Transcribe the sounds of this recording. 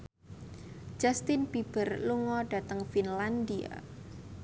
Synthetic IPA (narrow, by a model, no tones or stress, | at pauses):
d͡ʒ̥ast̪ɪnpib̥ərluŋɔɖ̥a̤t̪əŋfinland̪ia̰